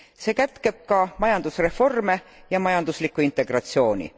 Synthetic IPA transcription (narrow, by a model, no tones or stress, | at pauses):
seːkæt̪ke̞b̥̚kɑmɑjɑnd̪̥usre̞fo̞rme̞ | jɑmɑjɑnd̪̥uslikːˑuint̪ːˑe̞ɡ̥rɑt̪sio̞ːnʲḭ